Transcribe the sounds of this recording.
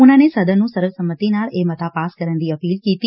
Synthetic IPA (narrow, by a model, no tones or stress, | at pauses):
unanesəd̪ʱənːũsəɾəʋsəmət̪inaɭemət̪ʰapaskəɾənd̪iəpiːlkit̪i